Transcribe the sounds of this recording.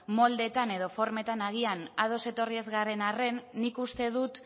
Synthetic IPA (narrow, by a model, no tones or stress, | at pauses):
mo̞ld̪e̞t̪ane̞ðo̞fo̞ɾme̞t̪anaɣ̞ianaðo̞se̞t̪o̞rie̞zɣaɾe̞nare̞nːikust̪e̞ðut̪